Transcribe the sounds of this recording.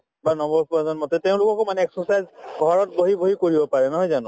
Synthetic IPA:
banɔmɔɹpɔɛzɔnmɔtɛteʊ̃lʊkɔkomanɛɛksɔsajzɡʱɔɹɔt̚boɦiboɦikoɹibɔpaɹɛnɔɦɔjzanʊ̃

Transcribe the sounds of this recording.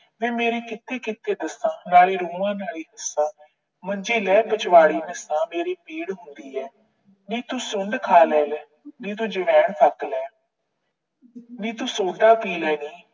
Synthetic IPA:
ʋẽːmeːɾeːkɪt̪ːeːkɪt̪ːeːd̪əsãːnaːleːɾuːʋãːnaːliːɦəsːãː | məɲd͡ʒiːlɛːbət͡ʃʋaːɽiːnəsãːmeːɾeːpeːɽɦʊnd̪iːɛː | nĩːt̪ũːsʊɳɖkʰaːlɛːlɛː | nĩːt̪̬ũːd͡ʒəʋɛːɳt̪ʰəklɛː | nĩːt̪ũːsoːd̪aːpiːlɛːniː

